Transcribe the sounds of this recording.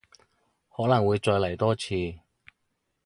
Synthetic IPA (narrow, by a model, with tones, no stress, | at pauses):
hɔː˨˥nɐ˨˩ŋwuː˨˧jt͡sɔː˧jlɐ˨˩jt̪ɔː˥t͡sʰiː˧